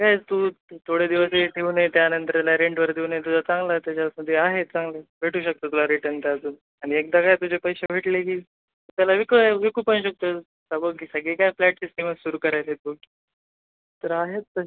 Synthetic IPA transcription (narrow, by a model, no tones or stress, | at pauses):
kajt̪ut̪ʰoɽed̪iʋəseʈʰeunajt̪janənt̪əɾalaɾeɳʈʋəɾd̪ʱeunajt̪ud͡zat͡sãŋɡlat̪jat͡ɕaməd̪ʱːjeaɦet̪̚t͡sãŋɡlebʱeʈuːɕək̚t̪ət̪ulaɾiʈənt̪ad͡zuːn | aɽ̃iek̚d̪akajt̪̬ud͡ʑepəjɕebʱeʈlekiː | t̪jalaʋikəʋikupənɕək̚t̪o | sabəɡkiːsəɡekajflɛʈ̚siskiʋassuɾuːkəɾajt̪et̪̚bəɡki | t̪əɾaɦet̪ːə